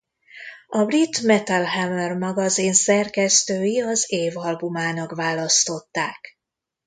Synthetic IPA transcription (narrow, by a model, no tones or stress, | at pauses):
ɒbrit̪mɛt̪alɦɛmɛrmɒɡɒzeːnsɛrkɛst̪øːjiɒzeːvɒlbumaːnɒkʋaːlɒst̪o̞t̪ːaːk